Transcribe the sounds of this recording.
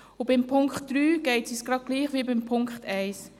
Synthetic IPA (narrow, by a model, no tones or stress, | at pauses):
ʊbɪmpʰʊŋkχtd̥ɾyːɡ̥eɪtsisɡ̥ɾɑt̚ɡ̥liːχʋiːbɪmpʰʊŋkχtʰɛɪs